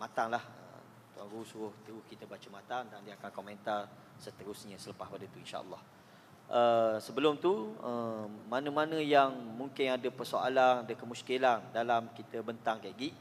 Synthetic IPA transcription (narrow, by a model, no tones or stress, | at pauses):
mat̪aŋlahə̰ | t̪ua̰ŋɾusuɾʊht̪əɾʊhkit̪əbat͡ʃəmat̪aŋdandiaakankomɛ̃nt̪ar | sət̪əɾʊsɲə̃sələpaspadət̪uinʃa̰ʔə̰lːɑh | ʔəsəbəlʊmt̪uəmanə̃manə̃jaŋmũŋkɪnadəpərsoa̰lanadəkəmuskilandalamkit̪əbənt̪aŋkaɡiʔ